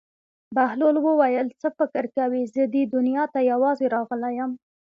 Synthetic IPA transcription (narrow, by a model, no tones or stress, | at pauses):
bahlolwəwajəlt͡səfɪkɪɾkawizəd̪id̪ʊnjɑt̪ajawɑzeɾɑɣəlajəm